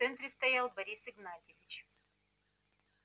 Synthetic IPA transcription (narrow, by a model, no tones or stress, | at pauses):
ɛnt̪ɾʲɪst̪ɐjalˠbɐɾʲisɨɡnatʲɪvʲɪt͡ɕ